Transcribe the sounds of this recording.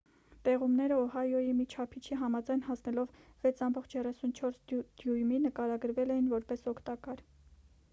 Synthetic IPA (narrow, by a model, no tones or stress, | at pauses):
t̪ɛʁumnɛɾəɔɦɑjɔjimit͡ʃʰɑpʰit͡ʃʰiɦɑmɑd͡zɑjnɦɑsnɛlɔvvɛt͡sʰɑmbɔχt͡ʃʰjɛrɛsunt͡ʃʰɔɾsd̪̥jujminəkɑɾɑɡəɾvɛlɛjinvɔɾpɛsɔkʰt̪ɑkɑɾ